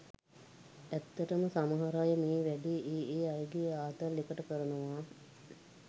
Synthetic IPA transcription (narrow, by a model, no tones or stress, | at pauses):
æt̪ːəʈəməsamɐɦaɾajəmeːʋæɖiːʔeːeːajəɡijaːt̪əɾlikəʈəkəɾənəʋaː